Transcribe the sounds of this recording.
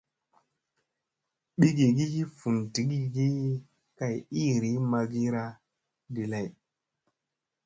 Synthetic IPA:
ɓi˦ɡi˨ɡi˦hi˦fu˨nti˨ɡi˦ɡi˦ | ka˨ji˦˨ɾi˨˦ma˧ɡi˦ɾa˦ | ɡi˨la˦˨j

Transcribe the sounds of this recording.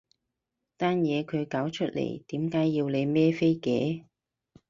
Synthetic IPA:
t̪aː˥njɛː˨˧kʰɵ˨˧ɥkaː˨˥wt͡ʃʰɵ˥t̚lḛ˨˩jt̪iː˨˥mkaː˨˥jːiː˧wle˨˧jmɛː˥fe˥jkɛ̰ː˨˥

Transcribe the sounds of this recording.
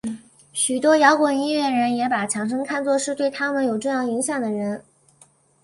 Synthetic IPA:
ɕy˨˩t̪wɔ˥jɑ˧˥ʊkwɔ˨˩i˥ɥɛ˥˩nɻə˧˥njɛ˧˥pa˨˩t͡ɕʰjɑ˧˥ŋʂ̬ɤ˥ŋkʰa˥˧nt͡swɔ˥˧ʂɻ̩˥˧t̪we˥˩ɪt̪ʰa˥mə˨njo˨˩ʊʈ͡ʂɤ˥˧jɑ˥˩ŋi˧˥ŋɕjɑ˨˩ŋd̪ə˩ɻə˧˥n

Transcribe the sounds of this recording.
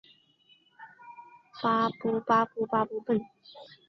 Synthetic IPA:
paː˧pu˧paː˧pu˧pa˧pu˧pə˧˩n

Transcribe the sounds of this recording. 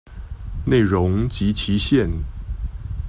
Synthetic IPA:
ne˥˩ɪɻʊ˧˥ŋt͡ɕi˧˥t͡ɕʰi˧˥ɕjɛ˥˩˨n

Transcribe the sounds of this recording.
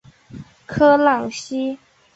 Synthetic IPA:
kʰɤ˥lɑ˨˩ŋɕi˥

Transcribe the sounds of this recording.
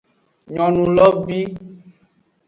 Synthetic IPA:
ɲɔ̃˨nũ˨lɔ˦bi˦

